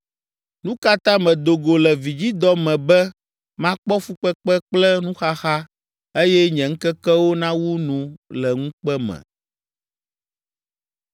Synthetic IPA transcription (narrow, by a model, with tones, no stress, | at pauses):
nũ˦ka˦t̪ã˦mɛ̃˨d̪o˨ɡo˨lɛ˨vi˨d͡ʑi˦d̪ɔ˦mɛ̃˨bɛ˦ | mã˦k͡pɔ˦fu˦k͡pɛ˦k͡pɛ˦k͡plɛ˦nũ˦xa˦xa˦ | e˦jɛ˦ɲɛ̃˨ŋ̩˦kɛ˦kɛ˦wo˦nã˦wu˦nũ˨lɛ˨ŋũ˦k͡pɛ˦mɛ̰̃˨